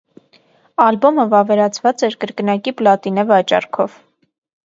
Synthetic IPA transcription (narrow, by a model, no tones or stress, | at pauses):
ɑlbɔməvɑvɛɾɑt͡sʰvɑt͡sɛɾkəɾkənɑkiplɑt̪inɛvɑt͡ʃɑ̰ɾkʰɔv